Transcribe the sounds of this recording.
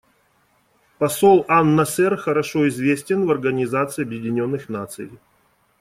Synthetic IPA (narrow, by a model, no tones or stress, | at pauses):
pɐso̞lˠanːɐsɛrxəɾɐʂo̞ɪzvʲesʲtʲɪnvɐrɡənʲɪzat̪sɨɪɐbjɪdʲɪnʲo̞nːɨxnat̪sɨ̰jɪ